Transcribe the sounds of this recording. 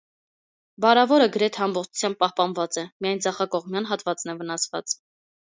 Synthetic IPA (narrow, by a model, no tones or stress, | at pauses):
bɑɾɑvɔɾəɡəɾɛt̪ʰɛɑmbɔχt͡ʃʰu̥t͡sʰjɑmb̚pɑhpɑnvɑt͡sɛmijɑjnd͡zɑχɑkɔʁmjɑnɦɑt̪vɑt͡sn̪ɛvənɑsvɑ̰t͡s